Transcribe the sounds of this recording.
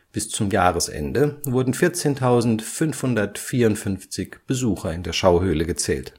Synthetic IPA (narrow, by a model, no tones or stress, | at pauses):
b̥ɪst͡sʊmjaːʁəsʔɛ̰ndəvʊɐdn̩fɪɐt͡seːntʰaʊzn̩tfʏnfhʊndɐtfiːɐʊntfʏnft͡sɪçb̥əzuːxɐɪndeːɐʃaʊɦøːləɡət͡sɛ̰ːlt